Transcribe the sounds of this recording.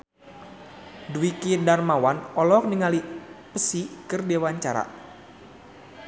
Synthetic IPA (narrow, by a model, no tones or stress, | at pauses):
duwikidarmawanɔlɔk̚niŋalipəsikɨrdewaɲt͡ʃaɾa̰